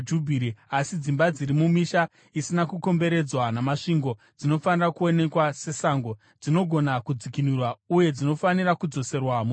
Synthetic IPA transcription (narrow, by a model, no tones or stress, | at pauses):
d͡ʒubʱiɾiasid͡zimbad͡ziɾimumiʃa | isinakuko̞mbe̞ɾe̞d͡zwanamaʂiŋɡo̞ | d͡zino̞fanirakuo̞ne̞kwase̞saŋɡo̞ | d͡zino̞ɡʱo̞nakud͡zikinurwauje̞d͡zino̞fanirakud͡zo̞se̞rwamo